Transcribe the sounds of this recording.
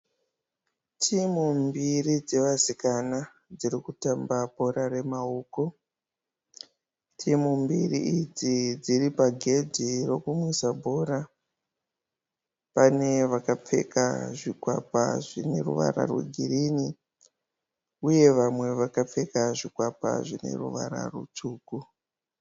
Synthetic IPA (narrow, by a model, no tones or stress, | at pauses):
tʰimumbirid͡ze̞ʋasikana | d͡zirikutambabʱo̞ɾare̞maoːko | tʰimumbirḭid͡zid͡ziripaɡʱe̞dʱiro̞kumwisabʱo̞ra | pane̞ʋakap͡fe̞̰ka̰ʐikwapa̰ʐine̞rṵʋa̰ra̰rwḛɡʱirini | uje̞ʋamwe̞ʋakap͡fe̞kaʐikwapa̰ʐine̞̰rṵʋa̰ɾa̰rṵt͡ʂuːku